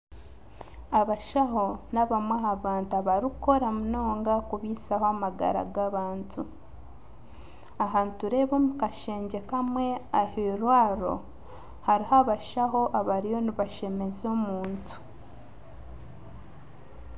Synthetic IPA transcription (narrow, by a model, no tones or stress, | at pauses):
aβaʃaho̞naβamwaɦaβaːntuaβaɾiko̞ɾamuno̞ːŋɡakuβiːsahoamaɡa̰ɾa̰ɡaβaːntʰu | aɦantuɾe̞βo̞ːmukaʃe̞ːɲɟe̞kamwe̞ahiɾwaːɾo̞̰ | haɾihaβaʃaɦo̞ʔaβaɾijo̞niβaʃe̞me̞zo̞muːntu̥